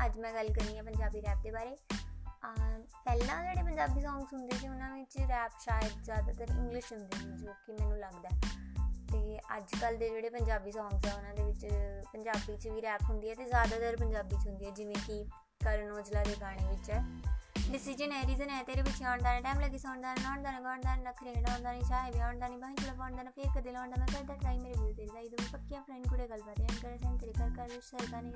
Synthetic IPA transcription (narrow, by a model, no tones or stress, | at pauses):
əd͡ʒmɛ̃ːɡəlkəɾniːaːpəɲd͡ʒaːbiːɾɛːp̚d̪eːbaːɾeː | pɛːlãːd͡ʒeːɽeːpəɲd͡ʒaːbiːsɔ̃ːŋɡsɦʊ̃nd̪eɛːt͡ʃeʊnãːʋɪt͡ʃɾɛːpʃaːjəd̪zjaːd̪aːt̪əɾɪ̰̃ŋɡlɪʃɦʊnd̪eːd͡ʒoːkɪmɛ̃ːnũːləɡd̪aːɛːt̪eːəd͡ʒkəld̪eːd͡ʒeːɽeːpəɲd͡ʒaːbiːsɔ̃ːŋɡsɛːʊnãːd̪eːʋɪt͡ʃpəɲd͡ʒaːbiːt͡ʃʋiːɾɛːpɦʊ̃nd̪iːɛːt̪eːzjaːd̪aːt̪əɾpəɲd͡ʒaːbiːt͡ʃɦʊ̃nd̪iːɛːd͡ʒɪʋẽːkɪ | kəɾnoːd͡ʒlaːd̪eːɡaːɽ̃eːʋɪt͡ʃɛːɖɪsiːd͡ʒənɛːɾiːzənɛːt̪eːɾeːbɪt͡ʃːaːɳd̪aːnɛ̃ːʈaːmləɡiːsɔːɳd̪aːnːlɔːɳd̪aːnãːɡaːɳd̪aːnːnəkʰːɾẽːɖaːɳd̪aːnĩːt͡ʃaːɦeːbiːaːɳd̪aːnĩːbaːĩt͡ʃələːbaːɳd̪aːnãːpʰɪɾkəd̪eːlaːɳd̪aːmɛ̃ːkəɾd̪aːtɾaːiːmeːɾeːbuːd̪eːɾzaːid̪mẽːpəkːijãːplɛːɳkʊɽeːɡəlbaːt̪eːəɳkəɾsɛ̃ːnt̪əɾiːkəɾkəɾʃəɾkãːnĩː